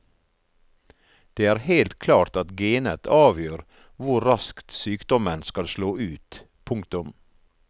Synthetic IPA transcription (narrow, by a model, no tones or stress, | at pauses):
d̪̥eːæːɾheɪlt̪kʰlɑːʈ̪ɑt̪ɡeːnə̰t̪ʰɑːʋjøːɾ | ʋʊɾɑskt̪syːkd̪ɔmənskɑlsloːʔʉːt̪ | pʰʊŋkt̪ʊm